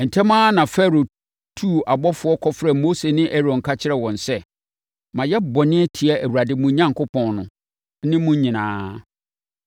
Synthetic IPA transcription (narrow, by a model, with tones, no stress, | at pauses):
n̩˨tʰɛ̃˦mãː˦nã˨fɛ˦ɾo˨ | tʰu˦˨a˨bɔ˦fʊ˨˦ɔ˦kʰɔ˦fɾɛ˨mo˦se˨nɪ̃˦ʔɛ˦ɾɔ̃˨ŋ̩˨kʰa˦t͡ɕʰɪ˦ɾɛ˨wɔ̃˨nsɛ˦ | mã˨jɛ˦bɔ˨nɪ̃˦ɛ˦tʰi˨ɛ˨ʔæ˨wu˨ɾa˨dɪ˨mũ˨ɲã˦ŋkʊ˦pʰɔ̃˨nnʊ̃˨˦ | nɪ̃˦mũ˦ɲĩ˨nãː˦